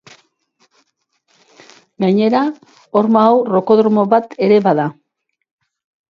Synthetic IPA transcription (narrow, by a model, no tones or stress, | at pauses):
ɡaɲe̞ɾa | o̞ɾmaːwro̞ko̞ðɾomo̞βat̪e̞ɾe̞βaða